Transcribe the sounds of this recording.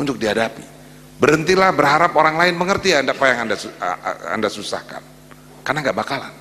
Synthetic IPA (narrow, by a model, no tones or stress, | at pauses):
uɲd͡ʒʊk̚diɦadapḭ | bəɾənt̪ilahbərhaɾapoɾaŋlaɪnməŋərt̪iandapajaŋandasa̰ndasusa̰hka̰n | karnaŋɡaʔbakala̰n